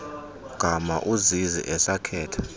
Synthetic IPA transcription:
ɡ̥ʱama̰ʔuzizḭʔɛsakʰɛːtʰḁ

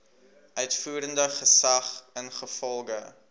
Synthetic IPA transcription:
ʔœɥtfuːɾəndəχəsɐχənχəfɔlˠɡə

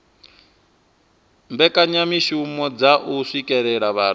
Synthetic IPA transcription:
mbɛkʼaɲamiʃiumɔd͡zaʔuʂikʼɛɺɛɺaβaːɾ

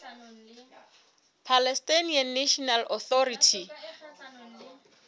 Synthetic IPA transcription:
pʰalɛstanianːeʃɔnalɔθɔɾitʰi

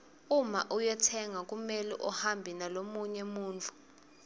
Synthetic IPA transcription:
umaʔujɛtʰɛŋak̬ʼumɛlɛʔɔhambʱinalomuɲɛmuːnd͡ɮʰʱu̥

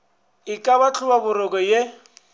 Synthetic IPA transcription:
ɪkʼaβat͡ɬʰʊbabʊɾɔkʼɔje

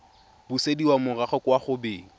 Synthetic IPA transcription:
b̥usediwamʊraχɔkwaχʊbɪːŋ̩

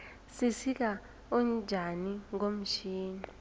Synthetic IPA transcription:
sisik̬a | ɔnd͡ʒʱaniŋom̩ʃʰiːni

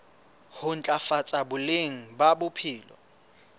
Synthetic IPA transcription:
hʊn̩t͡ɬʼafat͡sʼabʊleŋ̩babʊpʰiːlɔ̰

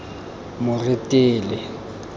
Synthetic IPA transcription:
mʊrɪtʼɪːlɪ

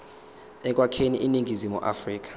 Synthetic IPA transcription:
ɛk̬ʼwakʰeniʔiniŋizimuʔa̰friːk̬ḁ

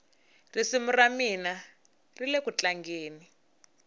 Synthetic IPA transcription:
risimuramina | rilekut͡ɬaŋɡeːni

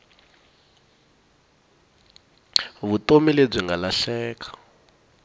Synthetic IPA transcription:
βutomileb͡ʐʷiŋɡalaɬɛːkʰḁ

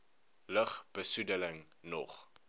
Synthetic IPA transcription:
ləχb̥əsudələŋ | nɔ̰χ

